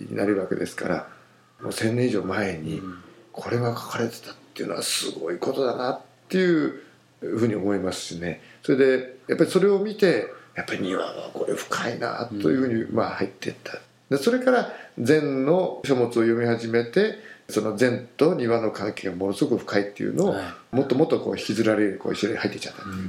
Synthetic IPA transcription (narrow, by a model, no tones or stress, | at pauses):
ɲḭnaɾɯβake̞̰d̪e̞sɨ̥ka̰ɾa̰ | mo̞̰ːsẽnːẽiʑo̞ːmae̞ɲ̟ḭkʰo̞ɾe̞ɡakʰḁkaɾe̞t̪e̥t̪ḁt̪ːejɯ̟̰noasɨɡo̞̰iko̞t̪o̞d̪anat̪ːe̞jɯ̟ | ɸɯ̟ːɲ̟io̞mo̞imasɨ̥sneso̞ɾe̞d̪e̞japːaɾʲi̥so̞ɾe̞o̞mʲit̪e̞japːaɾʲiɲ̟iβa̰βa̰ko̞ɾeɸɯ̟̥kʰaina̰t̪ːojɯ̟ɸɯ̟ːɲ̟ima̰hait̪ːe̞̰t̪ːḁ | d̪eso̞ɾe̞kaɾad͡zẽ̞nno̞ɕomo̞t͡sɨo̞jo̞mʲihaʑime̞t̪e̞sono̞d͡zẽ̞nt̪o̞ɲ̟iβano̞kãŋke̞ːɡamonosɨɡokɯ̟ɸɯ̟̥kait̪ːe̞jɯ̰no̞ːmot̪ːo̞mo̞t̪ːoko̞̰ːççʲizɨɾaɾeɾiko̞̰ːiɕoɲʲihait̪ːekʲi̥t͡ɕḁt̪ːḁt̪ːo